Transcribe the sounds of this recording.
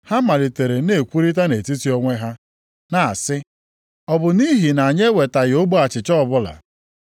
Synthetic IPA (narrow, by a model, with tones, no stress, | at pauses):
ha˦ma˨li˨te˨ɾe˨ne˨kʷu˦ɾi˦t̬a˦ne˨ti˦ti˦ɔ˦ŋʷe˦ɦa˦ | na˨a˨sɪ˦ | ɔ˨bʊ˨ni˦ɦi˨na˨ɲe˦we˨ta˨ɣɪ˨o˦ɡ͡bo˦a˨t͡ʃɪ˨t͡ʃɔ˦ɔ˨bʊ˦la̰˨